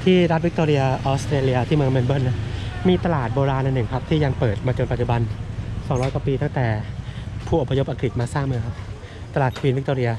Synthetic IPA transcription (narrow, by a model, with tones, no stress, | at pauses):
t̪ʰiː˥˩ɾa˦˥t̪̚wi˦˥k̚t̪oː˧ɾi˧ɐ˧ʔɔː˦˥st̪ɾeː˧li˧ɐ˧t̪ʰiː˥˩mɯ˧ə˧ŋme˧nbɤː˥˩nːa˦˥miː˧t̪a˧laː˨˩t̪̚boː˧ɾaː˧nʔa˧nːɯ˨˩ŋkʰa˦˥p̚t̪ʰiː˥˩ja˧ŋpɤː˨˩t̪̚maː˧t͡ɕo˧npa˨˩t̪̚t͡ɕu˩ba˧nsɔː˩˦ŋɾɔː˦˥jkwa˨˩piː˧t̪a˥˩t̪ɛː˨˩pʰuː˥˩ʔo˨˩pʰːa˧jo˦˥pʔa˧kɾi˨˩t̪̚maː˧saː˥˩ŋmɯ˧əŋ˥ | t̪a˧laː˨˩t̪̚ʰwiː˧nwi˦˥k̚t̪oː˧ɾi˧ɐ˧